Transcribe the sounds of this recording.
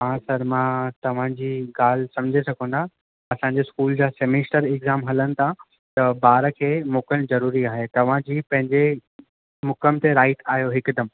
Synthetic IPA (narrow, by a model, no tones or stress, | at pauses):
mãːsɐɾmãt̪ɐʋ̤ãːd͡ʑiːɡaːl̤sɐ̃md͡ʑʱesɐɡʱə̃nd̪a | ɐsãːɲd͡ʑeskuːld͡ʑãːsemesʈəɾɪɡzaːmɦɐlənɪ̆t̪ʰa | t̪ɐbaːɾəkʰeːmoːkənɪ̆zɐɾuːɾiaːɦet̪ɐʋ̤ãd͡ʑiːpɐ̃ɦɪ̃ɲd͡ʑe | mʊkəmt̪eɾaːɪʈaːɦijoɦɪkd̪ɐm